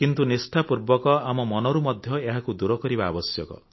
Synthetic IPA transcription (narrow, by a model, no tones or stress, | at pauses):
kint̪unisʈʰapuɾbɔkɔamɔmɔnɔɾumɔd̪ʱjɔeɦakud̪uɾɔkɔɾibaːbɔsjɔkɔ̰